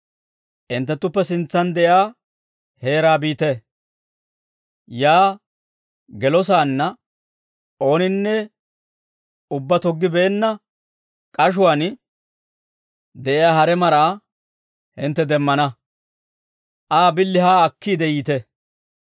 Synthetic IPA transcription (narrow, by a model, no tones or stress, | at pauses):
ʔɪnt̪ːɛt̪ːʊpːɛsɪnt͡sːɐnd̪ɛʔjaː | he̞ːɾaːbiːt̪ɛ | jaː | ɡɛlɔs̬aːnːɐ | ʔo̞ːnɪnːɛ | ʊbːɐt̪ɔɡːɪbe̞ːnːɐ | kʼɐʃ̬ʊwaːn | d̪ɛʔɪjaːhɐɾɛmɐɾaː | hɪnt̪ːɛd̪ɛmːɐnɐ | ʔaːbɪlːɪhaːɐkːiːd̪ɛjiːt̪ɛ